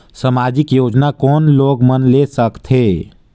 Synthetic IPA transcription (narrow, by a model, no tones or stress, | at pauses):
səmaːd͡ʒɪkjoːd͡ʒnakɔːnloːɡmənlesəkt̪ʰɦeː